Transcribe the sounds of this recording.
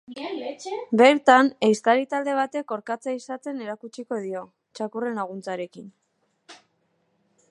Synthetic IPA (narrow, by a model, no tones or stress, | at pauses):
be̞ɾt̪anejst̪aɾit̪ald̪e̞β̞at̪e̞ko̞ɾkat͡saisat͡se̞ne̞ɾakut͡ʃiko̞ð̞io̞ | t͡ʃakure̞nlaɣ̞unt͡saɾe̞kin